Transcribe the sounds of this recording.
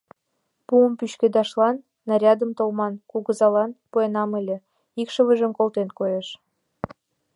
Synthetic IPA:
puəmpyɕked̪ɑʃlɑnːɑɾʲɑd̪əmt̪olmɑnkuɣəzɑlɑnpuenɑmelʲĕ | ikʃəβəʒə̆mkolˠt̪enkojeʃ

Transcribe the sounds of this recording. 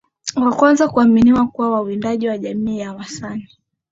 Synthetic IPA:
wakwanzakuaminiwakuwawawindaʄiwaʄamiːjawasani

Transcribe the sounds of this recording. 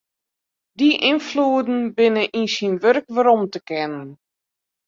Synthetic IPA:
diʔɪnfluədn̩bɪnəʔinsinʋørkʋəɾɔmtəkɛnən

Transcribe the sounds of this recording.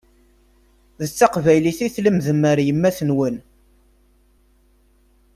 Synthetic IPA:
ðət͡sːɑqvæjliθiθləmðəmːəɾjəmːæθənwən

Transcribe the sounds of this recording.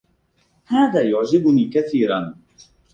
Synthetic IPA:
haːðaːjʊʕd͡ʒɪbʊniːkaθiːɾan

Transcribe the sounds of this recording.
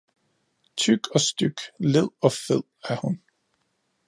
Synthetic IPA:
t͡sʰyɡ̥ɒ̽sd̥yɡ̥leð̰ˠɒ̽feð̰ˠæɐhun

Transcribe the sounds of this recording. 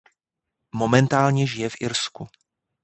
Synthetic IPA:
momɛnt̪aːlɲɛʒɪjɛfʔɪɾsku

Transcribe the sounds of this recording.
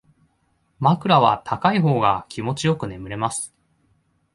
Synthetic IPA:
makɯ̟ɾaβ̞a̰t̪ʰakaiɦo̞ːɡakʲʰimo̞t͡ɕijo̞kɯ̟ne̞mɯ̟ɾe̞masɨ̥

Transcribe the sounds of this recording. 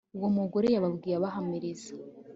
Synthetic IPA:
uwomuɡo̞ɾe̞jaβabɡiːɾaβaɦamiɾizḁ

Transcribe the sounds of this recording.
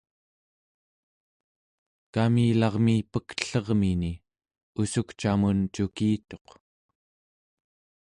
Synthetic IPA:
kamiːlɑʁmiːpək̪ɬʌʁmini | usukt͡ʃamunt͡ʃukiːt̪o̞q

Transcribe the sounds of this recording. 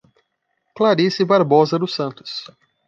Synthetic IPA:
klaɾisɪbaɾbozɐd̪ʊsɐ̃nt̪ʊ̥s

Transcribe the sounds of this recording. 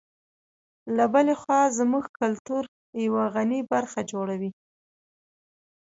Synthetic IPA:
labəlexwɑzmuɡkalt̪uɾ | jawaɣanibaɾxad͡ʒoɽawi

